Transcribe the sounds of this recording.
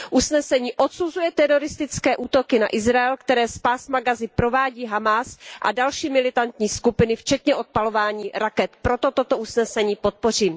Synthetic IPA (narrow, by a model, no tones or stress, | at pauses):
ʔusnɛsɛɲiːʔot̪suzujɛt̪ɛɾo̞ɾɪst̪ɪt͡skɛːʔuːt̪o̞kɪna̰ʔɪzɾajɛlkt̪ɛɾɛːspaːsmaɡazɪpɾo̞vaːɟiːɦamasʔa̰dalʃiːmɪlɪt̪ant̪ɲiːskupɪnɪft͡ʃɛt̪ɲɛʔo̞t̪̚palo̞vaːɲiːɾakɛt̪pɾo̞t̪o̞t̪ot̪oʔusnɛsɛɲiːpo̞t̪̚po̞r̝iːm